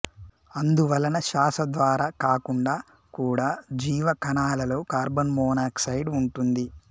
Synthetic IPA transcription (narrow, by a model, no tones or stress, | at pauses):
ɐnd̪uʋɐlɐnɐʃaːsɐd̪ʋaːɾaːkaːkuɳɖaː | kuːɽaːd͡ʒiːʋɐkɐnaːlɐlo̞ːkaːɾbɐnmɔːnaːksɐjɖuɳʈund̪i